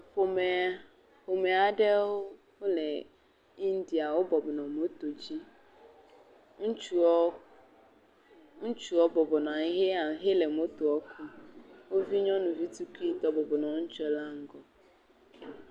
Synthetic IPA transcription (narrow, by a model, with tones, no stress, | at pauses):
ɸo˨mɛ˨ | ɸo˨mɛ˨a˨dɛ˦wo˦ | wo˦lɛ˨ | i˦n˦di˨a˨wo˦bɔ˨bɔ˨nɔ̃˨mo˦t̪o˨d͡ʑi˦ | ŋ̩˦t͡ʃu˨ɔ˦ | ŋ̩˦t͡ʃu˨ɔ˦bɔ˨bɔ˨nã˨ŋ˦ɦe˦a˨˦ɦe˦lɛ˨mo˦t̪o˨ɔ˦kʰu˦wo˦vi˦ɲɔ̃˦nʊ̃˨vi˦tu˦ki˦t̪ɔ˦bɔ˨bɔ˨nɔ̃˨ŋ̩˦t͡ʃɛ˦la˦ŋ̩˦ɡɔ˦